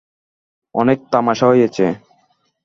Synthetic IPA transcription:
ɔnek̚t̪amaʃaɦojet͡ɕʰe

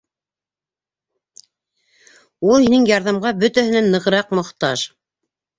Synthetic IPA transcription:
ulˠhinɘŋjɑɾðɑmʁɑbɵt̪æhɘ̆nænːɤ̆ʁɤ̆ɾɑqmŏχt̪ɑʃ

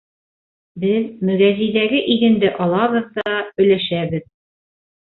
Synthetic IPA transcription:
bɘðmɵ̆ɡæzijðæɡɘʔiɡɘ̆nd̪ɘʔɒlˠɑβɤ̆ðd̪ɒɑɵ̆læʃæbɘð

